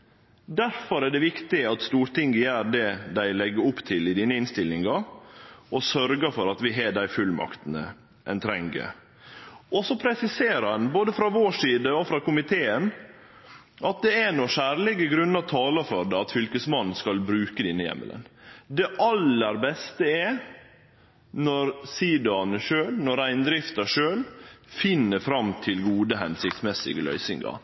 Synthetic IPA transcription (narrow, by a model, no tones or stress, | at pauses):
d̪æɾfɔɾɛɖɛʋɪkt̪ɪɑt̪st̪uːɾʈ̪ɪŋɡəjæːɾɖɛd̪æɪlɛɡːəɾʊpːt̪ʰɪlɪd̪iːnəɪnst̪ɪlːɪŋɡɑ | ɔsœɾɡəfɔɾɑt̪ʋɪɦeːɖæɪfʉlmɑ̰kt̪ənə̰ | ʔɛnt̪ʰɾɛŋɡə̰ | ɔsɔpʰɾɛsɪseːɾɑnboːd̪əfɾɑʋoːʂiːd̪əɔfɾɑkʊmɪt̪ʰeːən | ʔɑt̪̚d̪ɛænɔʃæːɾlɪɡəɡɾʉnːɑt̪ʰɑːlɑfɔɾɖ̪ɛɑt̪fʏlkəsmɑnn̩skɑlbɾʉːkəd̪ɪnːəjɛ̰mːə̰lə̰nd̪ɛʔɑlːəɾbɛst̪əɛ | nɔɾsiːd̪ɑnəʂøːlnɔɾæɪnd̪ɾɪft̪əʂøːlfɪnːəfɾɑmt̪ʰɪlɡuːd̪əɦɛnsɪk̚t̪smɛsɪ̰ɡəlœ̰ʏsɪŋɡɑ̰